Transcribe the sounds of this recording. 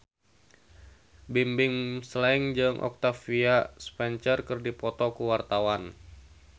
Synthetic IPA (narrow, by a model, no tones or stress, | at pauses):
bimbɪŋslɛŋd͡ʒɨŋʔɔ̰k̚t̪afiaspɛnt͡ʃərkərdipɔt̪ɔkuwart̪awan